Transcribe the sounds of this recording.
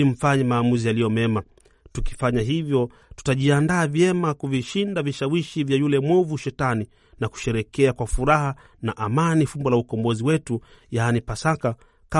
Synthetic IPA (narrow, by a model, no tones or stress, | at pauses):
im̩faɲɛmaːmuzijalijɔmɛma | tuki̥faɲaɦivjɔ | tu̥taʄiandaːvjɛmakuviʃindaviʃawiʃivjajulɛmwɔvuʃɛtani | naku̥ʃɛɾɛkɛakwafuɾaha | naʔamanifumbɔlaukɔmbɔziwɛtu | jaːnipasaka | ka